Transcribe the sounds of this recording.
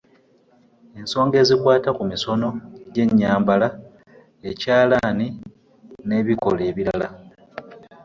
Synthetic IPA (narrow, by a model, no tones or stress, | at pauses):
e̞nso̞ːŋɡe̞ːzikwaːtakumiso̞no̞ɟe̞ɲːaːmbala | ecaːlaːni | ne̞ːβiko̞̰le̞ːβiɾala